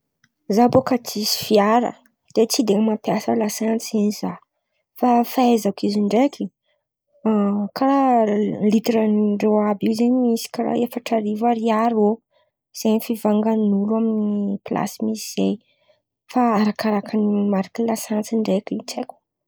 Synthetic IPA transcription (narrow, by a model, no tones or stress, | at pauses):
zabokat͡sisi̥fiaɾə̰ | d̪̥et͡sid̪eŋmapjasəlasant͡siniz̥a | fafaezakiziɳɖ͡ʐekʰi | kʰaɾalit̪ɾənɳɖ͡ʐewabiwzeɲimisi̥kaɾa̰efaʈ͡ʂaɾivəɾiaɾio | z̥eɲifivaŋɡanulaminipla̰simisiz̥ej | faaɾakaɾakʰanimaɾakilasant͡siɳɖ͡ʐekiit͡seku̥